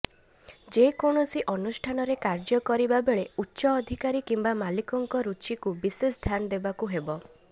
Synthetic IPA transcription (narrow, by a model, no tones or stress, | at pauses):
d͡ʒekoɳ̃ɔsiʔɔnusʈʰanɔɾekaɾd͡ʒɔkɔɾibabeɭeutːʃɔːd̪ʱikaɾikimbamalikɔŋkɔɾut͡ʃikubisesd̪ʱjanɔd̪ebakuɦebɔ